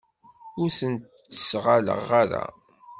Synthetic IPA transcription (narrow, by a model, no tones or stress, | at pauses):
ʊɾθənt̪ | ə̥sʁalə̰ʁaɾa̰